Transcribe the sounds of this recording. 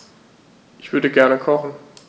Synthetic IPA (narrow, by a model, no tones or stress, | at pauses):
ʔɪçv̥ʏɐɾəɡɛɐnəkʰɔχn̩